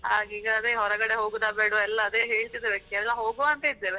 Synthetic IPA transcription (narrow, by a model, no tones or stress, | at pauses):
haːɡiːɡɐːd̪eɦɔɾɐɡɐɽeɦoːɡud̪aːbeːɽuɛlːɐːd̪eɦeːɭt̪id̪eʋekɛlːɐɦoːɡuɐnt̪ɐid̪ːeːʋe